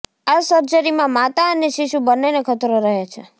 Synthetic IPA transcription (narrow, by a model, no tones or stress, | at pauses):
asəɾd͡ʒəɾimãmat̪aəneʃiʃubənːenekʰət̪ɾoɾəɦat͡ʃʰe